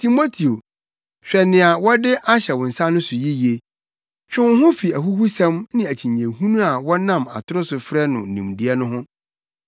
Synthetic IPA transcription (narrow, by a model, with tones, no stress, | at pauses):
tʰi˨mo˦tʰi˨o˨ | ɕᶣɛ˨nɪ̃˨a˨wɔ˦dɪ˦ʔa˦ɕɛ˨wɔ̃˨n̩˨sa˦nʊ̃˦sʊ˨ji˦ji˨e˨ | ɕᶣɪ̃˦wʊ̃˦ɦʊ̃˦fi˨æ˨ɦu˦hu˦sɛ̃˦mnɪ̃˦æ˨t͡ɕʰĩ˨ɲẽ˨hũ˦nũ˦a˨wɔ˦nã˦˨ma̰˨tʰʊ˦ɾʊ˦sʊ˨fɾɛ˦nʊ̃˨n̩˨nĩ˨mdi˦ɛ˦nʊ̃˦ɦʊ̃˦